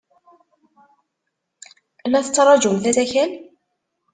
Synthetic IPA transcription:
ænːæθət͡sːɑɾˤɑd͡ʒumθæt̪æçæn

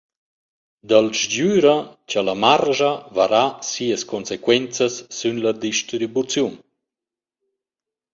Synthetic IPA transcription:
d̪alʃd͡ʑyːɾət͡ɕalamarʒavaɾasiːəskɔnsekwɛnt͡səsːynlad̪iʃtɾibut͡sjun

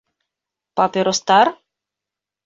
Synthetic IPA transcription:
papeɾost̪aɾ

